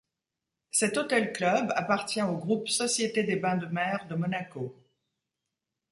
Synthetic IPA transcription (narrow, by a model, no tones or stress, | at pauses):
sɛt̪ot̪ɛlklœba̰paʁt̪jɛ̃oɡʁupsɔsjet̪ed̪ebɛ̃d̪əmɛʁd̪əmɔnako